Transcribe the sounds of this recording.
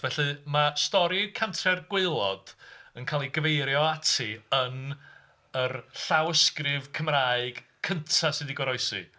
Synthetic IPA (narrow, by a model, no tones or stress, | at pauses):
vɛɬɨmastɔɾikʰantʰrɛrɡwɪlˠɔd̥ənkʰaːlˠiɡəvejɾjɔatʰiən | ərɬawəskrɪvkʰəmraːɨɡ̥ | kʰəntʰasɨdiɡwɔɾɔɨsɨ̰